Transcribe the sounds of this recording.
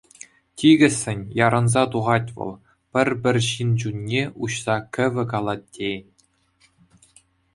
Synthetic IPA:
tʲiɡʲɘ̆sʲːɘ̆nʲjɑɾɤ̆nzɑt̪uʁɑtʲʋɤ̰̆lˠ | pʲɘ̆rʲbʲɘ̆rʲɕind͡ʑunʲːeuɕsɑkʲɘ̆ʋʲɘ̆kɑlˠɑtʲːenʲ

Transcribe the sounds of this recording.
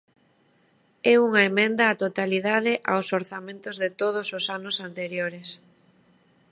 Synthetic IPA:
ɛuŋɐemẽnd̪ɐːt̪ot̪aliðaðɪʔawsoɾθamẽnt̪ʊzðet̪oð̞ʊsʊsanʊsant̪eɾjoɾes

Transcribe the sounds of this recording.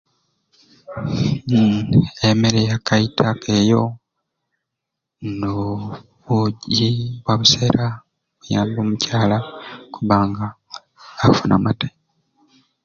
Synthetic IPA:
eme̞ɾejakaitʰakʰejo̞ | no | βuɟiβwaβuse̞ɾa | βujaːmboːmucaːlakuβaːŋɡaː | funʔa̰mate̥

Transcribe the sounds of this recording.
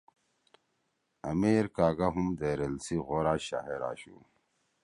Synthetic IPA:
ɐmiːɾkaːɡaɦumd̪eɾelsiɣoːɾaːɕa̰ːɦeɾa̰ːɕṵ

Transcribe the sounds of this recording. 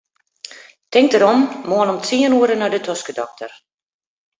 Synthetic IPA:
tɪŋk̚təɾɔmːoənɔmt͡siənuəɾənɔjdətʰɔskədɔk̚tʰər

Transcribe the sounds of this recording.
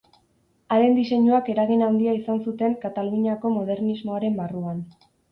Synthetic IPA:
aɾe̞nd̪ise̞ɲuake̞ɾaɣinand̪iaisansut̪e̞ŋkat̪aluɲiako̞mo̞ð̞e̞rnizmo̞aɾe̞mbaruan

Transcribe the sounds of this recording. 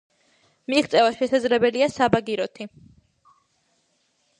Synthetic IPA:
miɡt̪sʼɛvaʃɛsad̪zlɛbɛliasabaɡiɾɔt̪ʰi

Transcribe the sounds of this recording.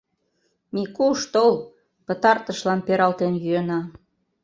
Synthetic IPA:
mikuʃt̪ol | pə̆t̪ɑrt̪əʃlɑnpeɾɑlt̪enjyenɑ

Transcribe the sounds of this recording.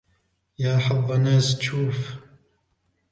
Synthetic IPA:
jaːħɑvˤːɑnaːzt͡ʃʰuːf

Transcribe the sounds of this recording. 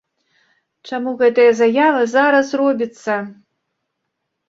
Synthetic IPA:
t͡ʂamuɣɛt̪ɨjɐzajavɨzaɾɐsrɔbʲit̪sːɐ

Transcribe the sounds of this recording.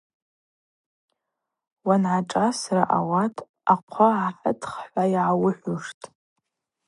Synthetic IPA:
wanʕaʈ͡ʂʼasraʔawatʼ | aqʷʰaʕaħə̰tʰχħʷajʕawʊħʷʊʂtʼ

